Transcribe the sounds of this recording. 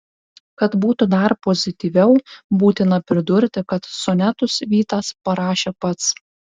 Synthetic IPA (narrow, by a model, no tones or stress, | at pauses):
kɐt̪buːt̪ʊd̪ɐɾpɔzʲɪt̪ʲiʋʲɛʊbuːt̪ʲɪnɐpʲɾʲɪd̪ʊɾʲt̪ʲɪkɐt̪sɔnʲæt̪ʊsʋʲiːt̪ɑspɐɾɑːʃʲeːpɐt̪s